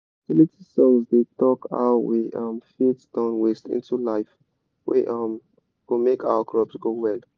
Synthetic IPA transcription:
silitisɔ̃mzdetɔka̰wiʔʌmfitd̥ãʊ̃nwestḭ̃ntulaɪf | wḭʔʌm | wimekawəkʰɹɔpsɡowɛl

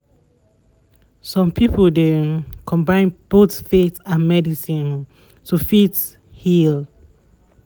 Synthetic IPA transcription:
sɔ̃mpʰipəldekʰɔ̃mbãɪ̃nb̥otfetãnmɛdisĩn | tʰufit | hil

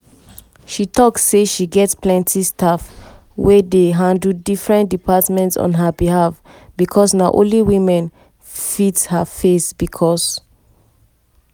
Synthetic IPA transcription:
ʃitɔksːeʃiɡɛtsplɛ̃ntʰistʰaf | wɛdeɦãndl̩difɹɛ̃ntdipatmɛ̃ntsɔ̰̃nɦəbihaf | b̥ikʰɔsnaʔõ̰nliwĩmɛ̃n | fitshafesb̥ikʰɔs

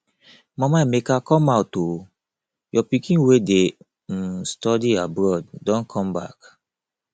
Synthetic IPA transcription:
mɔ̃maimekakɔ̃mawtːo | jɔpikĩnwede | stɔdiabɹɔd̚dɔ̃nkʰɔ̃mba̰k

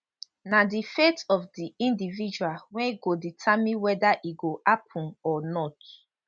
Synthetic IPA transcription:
nadifetɔfdiĩndivid͡ʒualwɛ̃iɡoditʰamĩwɛdaʔiɡoʔapʰũnɔnɔt

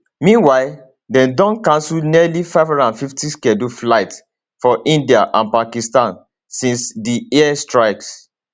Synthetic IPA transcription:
mĩnwaɪl | dɛ̃ndɔ̃nkãnsulniɛlifaɪvɔ̃nãnfiftiskɛduflaɪt | fɔʔĩndiaʔãnpakistãn | sĩnsdiɛɛstɹaɪks

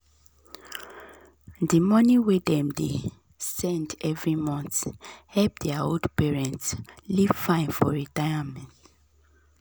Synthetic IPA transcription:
dimɔniwedɛ̃mde | sɛ̃ndɛvɹimɔ̃nθhɛlp̚dɛaoldpɛɹɛ̃ntsliv̥fãɪ̃nfɔ̰ɹitajamɛ̃nt

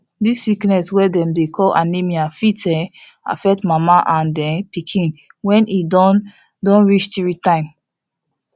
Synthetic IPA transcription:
disːiknɛswɛdɛ̃mdekʰɔlʔa̰nemiafitʰɛ | a̰fɛk̚tmamaʔãndɛ̃npikʰĩn | wɛ̃nid | dɔ̃nɹit͡ʃtiɹitãɪ̃m

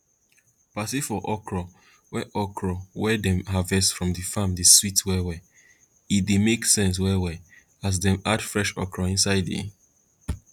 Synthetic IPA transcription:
pasifɔʔɔkʰɹɔ | wɛʔɔkʰɹɔwɛdɛ̃mɦavɛstfɹɔ̃mdifãmdiswitwɛwɛ | itdemeksɛ̃ns̬wɛwɛ | as̬dɛ̃madfɹɛʃɔ̰kʰɹɔĩnsaɪdḭ

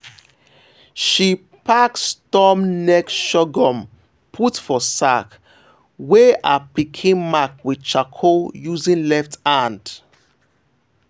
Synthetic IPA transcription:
ʃi | pakstɔmnɛkʃɔɡɔ̃m | pʰutfɔsak | weʔa̰pikʰĩnmak̚wi̥t͡ʃakʰojuzĩnlɛftãnd

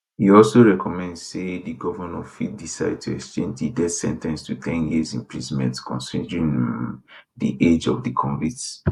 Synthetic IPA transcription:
hiɔlsoɹɛkʰɔmɛ̃ndsediɡɔvənɔfḭt̚disaɪd̚tʰuɛkst͡ʃẽnd͡ʒdidɛdsɛ̰̃ntɛ̃nstʰutʰɛ̃njizĩmpʰɹizmɛ̰̃ntkʰɔ̰̃nsidɹĩn | dḭʔed͡ʒɔ̰vdikʰɔ̃ɱvits

